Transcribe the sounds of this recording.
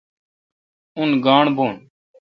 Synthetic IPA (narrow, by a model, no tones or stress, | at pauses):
ʊnɡaːɳbʱoːɳ